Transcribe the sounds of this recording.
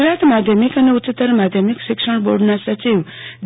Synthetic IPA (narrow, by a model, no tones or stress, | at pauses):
ɾat̪mad̪ʱjəmikəneutːt͡ʃːət̪ːəɾmad̪ʱjəmikʃɪkʂəɳ̃boɾɖnasət͡ʃiʋ | d̪